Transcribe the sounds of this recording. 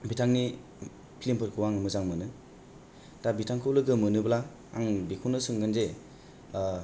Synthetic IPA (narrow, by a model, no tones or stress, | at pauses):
bitʰaŋni | pʰilimpʰɯɾkʰɯwaŋɯmɯzaŋmɯnɯ | dabitʰaŋkʰɯwlɯɡɯmɯnɯbla | aŋbikʰunɯsɯŋɡanze